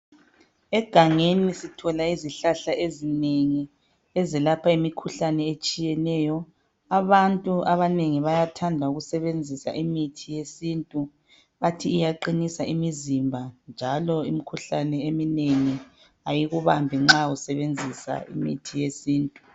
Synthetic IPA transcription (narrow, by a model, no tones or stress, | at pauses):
ɛɡ̥ʱaŋenisitʰɔlaiziɬaɬaʔezineŋi | ɛzɛlapʰaimikʰuɬanɛet͡ʃʼijɛnɛːjɔ | aβantʼuaβaneŋiβajatʰandʱauɣusɛβend͡zʱisa̰ʔimitʰijesiːntʼu | βatʰiːjaǃinisaʔimizimbʱand͡ʒʱalɔimikʰuɬanɛemineŋi | ajiɣuβambʱiŋ͡ǁausɛβend͡zʱisa̰ḭmḭtʰijesiːntʼu